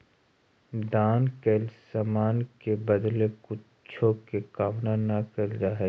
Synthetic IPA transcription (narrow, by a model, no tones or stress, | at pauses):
d̪aːnkeːlsaːmaːnkebəd̪lekʊ | t͡ʃʰokekaːʋnanakəld͡ʒaːɦɛ